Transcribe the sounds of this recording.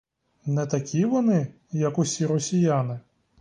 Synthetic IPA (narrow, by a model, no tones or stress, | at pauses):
nɛt̪ɐkʲiʋɔnɪ | jɐkʊsʲiɾɔsʲijanɪ